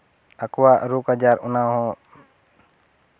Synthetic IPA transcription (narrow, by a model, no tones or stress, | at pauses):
akɔwaʔɾukad͡ʒaɾɔnaɦɔ̃